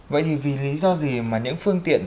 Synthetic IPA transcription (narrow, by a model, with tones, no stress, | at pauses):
və̰˧˨jt̪ʰi˨˩vi˨˩li˨˦zɔ˧zi˨˩maː˨˩ɲɨ̰˧˥ŋfɨ˧əŋt̪ḭ˧˨ən